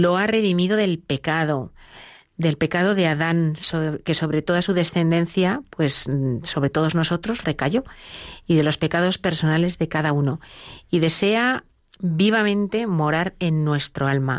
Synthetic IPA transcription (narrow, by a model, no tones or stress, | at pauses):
lo̞are̞ðimiðo̞ðe̞lpe̞kaðo̞ | d̪e̞lpe̞kað̞o̞ðe̞aðansoke̞so̞βɾe̞t̪o̞ðasuðe̞sθe̞nd̪e̞n̟θjapwe̞sːo̞β̞ɾe̞t̪o̞ð̞o̞zno̞so̞t̪ɾo̞zre̞kaʝo̞iðe̞lo̞spe̞kað̞o̞spe̞ɾso̞nale̞zðe̞kaðauno̞iðe̞se̞a | biβ̞amẽ̞nt̪e̞mo̞ɾaɾe̞nːwe̞st̪ɾo̞alma̰